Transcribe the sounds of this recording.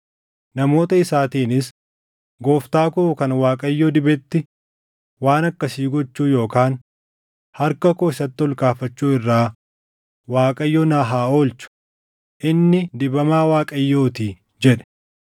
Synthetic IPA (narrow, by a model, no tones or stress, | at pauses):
nɐmo̞ːt̪ɐɪsaːt̪iːnɪs | ɡo̞ːft̪aːkʊkɐnwaːkʼɐjːoːd̪ɪbɛt̪ːɪ | waːnɐkːɐsiːɡɔt͡ʃːuːjo̞ːkaːn | hɐɾkɐkoːɪsɐt̪ːɪɔlkaːfɐt͡ʃːuːɪrːaː | waːkʼɐjːoːnaːɦaːoːlt͡ʃʊ̥ | ʔɪnːɪd̪ɪbɐmaːwaːkʼɐjːoːt̪iː | d͡ʒɛᶑɛ̥